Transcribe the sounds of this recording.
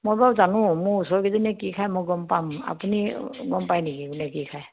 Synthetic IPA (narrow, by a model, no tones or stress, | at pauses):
mojbazanʊ̃mʊɹusɔɹɡizɔnɛkikʰajmɔjɡɔmpama̰puniɡɔmpajnikiɡunɛkikʰaj